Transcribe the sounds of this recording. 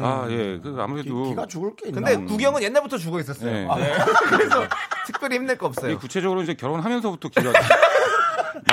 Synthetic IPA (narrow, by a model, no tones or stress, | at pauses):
aje̞kɯa̰muɾe̞doiɡat͡ɕuɡɯɭk͈ekɯnde̞kuɡjʌŋɯnje̞nːaɭbutʰʌt͡ɕuɡois͈ʌs͈ʌjeokɯɾesʰʌtʰɯ̥k̚p͈jʌɾiçimnɯɭk͈ʌʌp̚s͈ʌjekut͡ɕʰe̞d͡ʑʌɡɯɾoid͡ʑe̞kjʌɾonɦamjʌnsʰʌbutʰʌkiɡa